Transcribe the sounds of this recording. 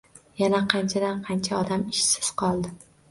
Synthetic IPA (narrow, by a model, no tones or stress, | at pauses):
janaqʰɑnt͡ʃʰad̪anqʰɑnt͡ʃʰaɒd̪amɪʃsɪz̥qʰɒlˠd̪ɪ